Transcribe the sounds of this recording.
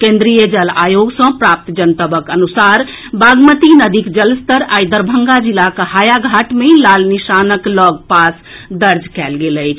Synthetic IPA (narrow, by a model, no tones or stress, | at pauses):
kẽnd̪ɾijəd͡ʒəla̰joɡsə̃pɾap̚t̪d͡ʒənt̪əbəkənusaɾ | baɡmət̪inəd̪ikd͡ʒəlst̪əɾajd̪əɾbʱəŋɡad͡ʒilakhajaɡʱaʈmelalniʃanəklɔɡpas | d̪əɾd͡ʒkɛlɡeləjt͡ʃʰ